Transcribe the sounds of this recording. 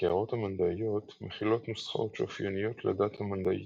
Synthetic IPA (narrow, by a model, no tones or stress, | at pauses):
eaʁo̞thamand̪aijo̞t̪meχilo̞t̪nusχa̰ʔo̞t̪ʃo̰fjonijo̞t̪ledathamand̪aʔḭ